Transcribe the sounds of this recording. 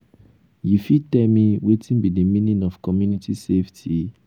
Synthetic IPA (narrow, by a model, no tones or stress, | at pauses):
jifitɛmiwetʰĩnbidimĩnĩnɔfkɔmjunitʰiseftʰi